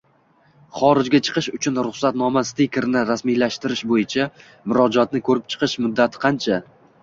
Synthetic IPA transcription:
χɒɾɪd͡ʒɡʲat͡ʃʰɨ̥qʰɨʃʊt͡ʃʰʊnɾʊχsat̪nɒmast̪ekʲɾnɪɾasmijlaʃt̪ɪɾɪʃbojɪt͡ʃʰa | mʊɾɒd͡ʒɒt̪̚nɪkʰɵɾɪp̚t͡ʃʰɨ̥qʰɨʃmʊd̪ːat̪ʰɪ̥qʰɑnt͡ʃʰa

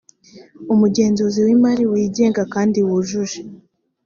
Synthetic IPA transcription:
umuɟe̞ːnzuziwimaɾiwiːɟe̞ːŋɡakaːndiwuʒuʒe

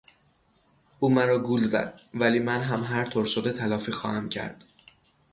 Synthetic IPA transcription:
ʔuːmæɾɒːɡuːlzæ̰d̪̥̚væliːmænɦæmɦæɾt̪ʰoːɾʃod̪e̞t̪ʰælɒːfiːxɒ̰ːhæmcʰæ̰ɾd̪̥

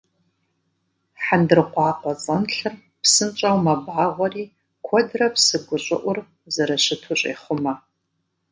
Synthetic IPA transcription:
ħandɨrqʷɑːqʷɔt͡sʼɐnɬɨr | psɨnt͡ʃʼɐwmɐbʕaʁʷɔriː | kʷʰɔdrɐpsɨɡʷʊɕʼɨ̰ʔʷʊr | zɐɾɐɕɪtʰʊɕʼḛːχʷʊmɐ

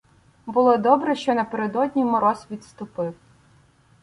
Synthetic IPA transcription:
bʊlˠɔd̪ɔbɾɛʃt͡ʃɔnɐpeɾed̪ɔdʲnʲimɔɾɔsʲʋʲit̪st̪ʊpɪw

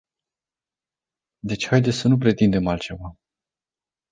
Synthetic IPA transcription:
d̪e̞t͡ʃʲhajd̪e̞sʲsənup̬ɾe̞t̪ind̪e̞malt̪t͡ʃe̞va

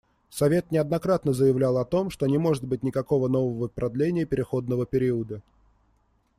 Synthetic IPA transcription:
sɐvʲe̞t̪nʲɪɐd̪nɐkɾat̪nəzəjɪvlʲalˠɐt̪o̞mʂt̪onʲɪmo̞ʐɨt̪̚bɨtʲnʲɪkɐko̞vəno̞vəvəpɾɐd̪lʲenʲɪjəpʲɪɾʲɪxo̞d̪nəvəpʲɪɾʲiəd̪ə

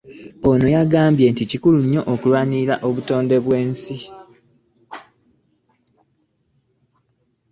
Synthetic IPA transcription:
ono̞jaɡaːmbje̞ːnticikuluɲːo̞ʔokulwaːɲiɾaʔo̞βuto̞ːnde̞βweːnsi

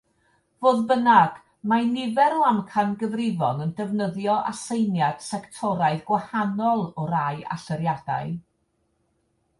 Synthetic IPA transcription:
voːðbənaɡ̥ | manɪvɛɾoamkʰanɡəvrɪvɔ̰nəndɛvnəðjɔʔa̰sejnjad̥sɛktʰɔɾaɨðɡwahanɔlˠɔɾaɨa̰ɬəɾjad̥a̰ɨ

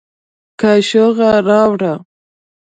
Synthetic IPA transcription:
kaʃoɣaɾɑwɽa

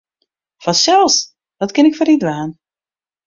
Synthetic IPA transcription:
fɔsɛlˠs | ʋɔtkɪnɪkfɔɾidʋaːn

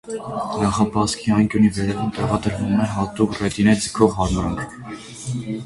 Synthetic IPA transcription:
nɑχɑpɑskʰiɑjŋkjunivɛɾɛvumt̪ɛʁɑd̪əɾvumɛɦɑt̪ukrɛt̪inɛd͡zəkʰɔʁɦɑɾmɾɑŋkʰ

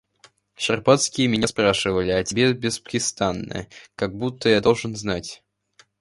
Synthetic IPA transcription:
ʂɪrpat̪skʲɪjəmʲɪnʲaspɾaʂɨvəlʲɪɐtʲɪbʲebʲɪspə̥kʲɪst̪anːə̰kaɡ̚but̪ːəjad̪olˠʐɨnznatʲ

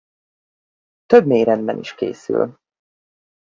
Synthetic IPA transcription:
t̪øbmeːjɾɛnd̪bɛ̰nʔḭʃkḛːsy̰l

